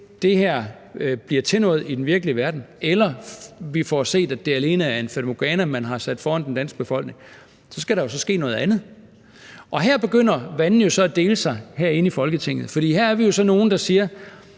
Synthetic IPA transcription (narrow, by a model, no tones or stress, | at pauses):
d̥e̝hæɐ̰ | b̥liɐt͡sʰe̝nɔ̰̽ːð̩ˠid̥enʋiɐɡ̥əliəʋæɐd̥n̩elɐʋifɒse̝̰ːd̥æd̥e̝æle̝ːnəæɐe̝nfæd̥moɡ̥ɛːnæmænɦɑ̈sæd̥fɒːhænd̥end̥æn̰sɡ̥̚b̥e̝fɒ̽l̰ɡ̥ne̝ŋ | sɒ̽sɡ̥æɾ̥ɑ̈jo̝s̬ɒ̽sɡ̥e̝̰ːnɔ̽ːð̩ˠænð̞̩ˠ | ʔɒ̽ɦæɐ̰b̥e̝ɡ̥øn̰ɐʋænn̩jo̝sɒ̽æd̥e̝ːləsɑ̈ɪɦæɐ̰e̝nəifɒ̽lɡ̥ət͡sʰe̝ŋ̰ð̩ˠfɒd̥ḭːhæɐæɐʋijo̝sɒ̽no̝ːn̩d̥ɑ̈siːɐ